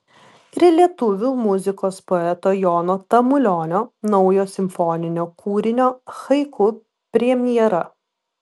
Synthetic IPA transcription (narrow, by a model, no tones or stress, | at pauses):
ɾʲɪlʲiɛt̪ʊʋʲuːmʊzʲɪkoːspoɛt̪oːjɔːnoːt̪ɐmʊlʲɔːnʲoːnɔʊjoːsʲɪmʲfɔnʲɪnʲoːkuːɾʲɪnʲoːxɐɪkʰʊ | pʲɾʲɛmʲɪjɛɾɐ